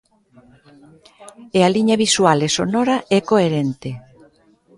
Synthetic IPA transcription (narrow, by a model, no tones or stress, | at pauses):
ealiɲɐβiswalesonɔɾaʔɛkoeɾɛnt̪e